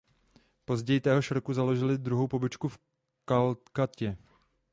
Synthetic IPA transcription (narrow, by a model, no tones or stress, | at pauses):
po̞zɟɛjɪt̪ɛːɦoʃɾkuzalo̞ʒɪlɪd̪ɾuɦo̞wpo̞bɪt͡ʃkuf | kalt̪kacɛ